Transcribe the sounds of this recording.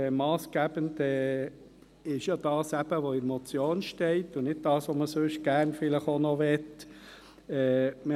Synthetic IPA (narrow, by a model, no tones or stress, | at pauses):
ɛmɑːsɡ̥æbəndɛː | ɪʃjɑd̥ɑːsæb̥əʋoɪmɔt͡sjoːnʃtɛɪtːʊnɪd̚d̥ɑːsʋoməsøʃɡ̥æɾnfɪləχonɔʋɛt | ɛːmə